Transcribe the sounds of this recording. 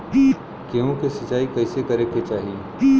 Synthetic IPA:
i | keõkesɐt͡ʃaːikɐːsekɐɾekːet͡ʃaːɦie

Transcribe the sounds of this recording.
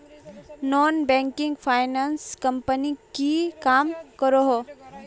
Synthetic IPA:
nɔːnbɛ̃ːŋkɪ̃ŋɡfʰaːɪnaːnskɐ̃mpənikikaːmkəɾoɦoː

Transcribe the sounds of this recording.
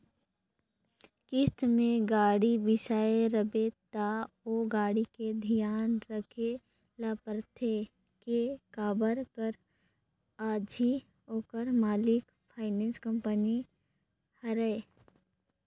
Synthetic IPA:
kɪst̪mẽɡaːɽibɪsaːeɾəbet̪a | oːɡaːɽiked̪ʱijaːnɾəkʰe | laːpəɾt̪ʰe | kekaːbəɾkəɾ | aːd͡ʒʱi | oːkəɾmaːlɪk | pʰaːɪnɛ̃ːnskə̃mpəni | həɾəe

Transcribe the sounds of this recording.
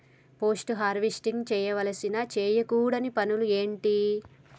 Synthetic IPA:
po̞ːsʈuɦaːɾʋisʈiŋɡt͡ʃɛːjɐʋɐlɐsinat͡ʃeːjɐkuːɽɐnipɐnulueːɳʈi

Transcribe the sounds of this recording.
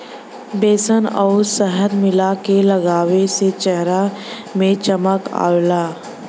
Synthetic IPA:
beːsənɔːɾsəɦəd̪mɪlakeləɡaːweset͡ʃɛɦɾa | mẽt͡ʃəməka̰ːwlaː

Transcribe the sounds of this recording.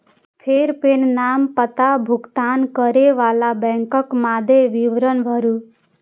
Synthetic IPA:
pʰeɾpennampət̪abʱukt̪ankʌɾeʋalabɛŋkʌkmad̪ʱeʋiʋɾʌnbʱʌɾu

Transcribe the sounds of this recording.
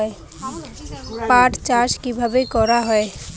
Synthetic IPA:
e | paʈt͡ʃaʃkibʱabekɔɾaɦɔe

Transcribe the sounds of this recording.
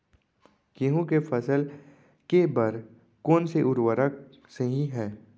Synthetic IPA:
keɦũkefʰɐsəl | kebɐɾ | koːnseʔʊɾwəɾək̚ | seɦĩɦɛː

